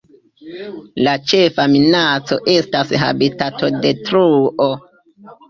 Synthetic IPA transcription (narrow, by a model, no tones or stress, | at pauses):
lat͡ʃe̞faminat͡so̞ʔe̞stasɦa̰bitato̞de̞tɾuʔo